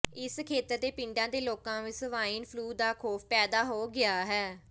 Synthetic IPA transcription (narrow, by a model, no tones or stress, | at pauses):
ɪskʰeːt̪əɾd̪eːpɪ̃ɳɖãːd̪eːloːkãːʋɪsʋaːiːnpʰluːd̪aːkʰoːpʰpɛːd̪aːɦoːɡɪaːɦɛː